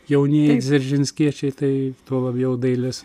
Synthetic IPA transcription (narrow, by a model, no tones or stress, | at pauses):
jɛʊnʲeːjzʲɛɾʲʒʲɪnʲsʲkʲiɛt͡ʃʲɛɪt̪ɐɪt̪uɔlˠɐbʲjɛʊd̪ɐɪlʲɪs